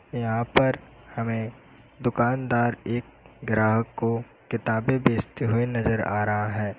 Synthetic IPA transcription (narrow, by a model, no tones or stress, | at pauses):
jɐɦãpɐɾ | hɐmẽ | d̪ʊkaːnd̪aːɾeːk̚ɡɾaːɦəkːo | kɪt̪aːbebeːst̪eɦʊenɐzəɾa̰ːɾɐɦaɦɛ̃ː